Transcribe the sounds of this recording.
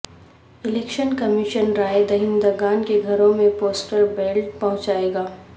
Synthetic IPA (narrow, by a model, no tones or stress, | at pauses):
ɪleːkʃənkɐmiʃənɾaːed̪ɐɦɪ̃nd̪aɡaːnkeɡʱɐɾõmẽpoːsʈəɾbeːlʈ̚pɐɦʊ̃t͡ʃaːeːɡaː